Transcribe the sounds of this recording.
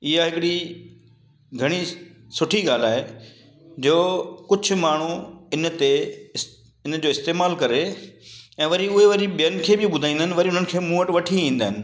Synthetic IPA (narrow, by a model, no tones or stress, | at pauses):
ɪɦaɦɪkɪɽi | ɡʱɐɽ̃i | sʊʈʰiɡaːl̤aːɦe | d͡ʑoːkʊd͡ʑʱʊ̆maːɳ̤uɪnt̪e | ɪnd͡ʑoːɪst̪eːmaːlkɐɾe | ɛ̃ːʋɐɾiʊɦeʋɐɾiɓijənɪ̆kʰeːbɪɓʊd̪ʱaːĩːnɦɪnɪʋɐɾiʊn̤ənɪ̆kʰeːmuːəʈʋɐʈʰiĩːnd̪aːɦɪ̃nɪ̆